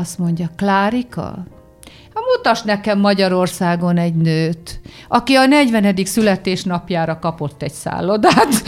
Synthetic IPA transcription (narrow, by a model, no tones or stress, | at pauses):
ɒst̪mo̞ɲɟɒklaːɾikɒ̰ | hɒmut̪ɒʃnɛkɛmːɒɟɒɾo̞rsaːɡo̞nɛɟnøːt̪ | ʔɒkiɒnɛɟʋɛnɛd̪iksylɛt̪eːʃnɒpjaːɾɒkɒpo̞t̪ːɛɟsa̰ːlːo̞d̪aːt̪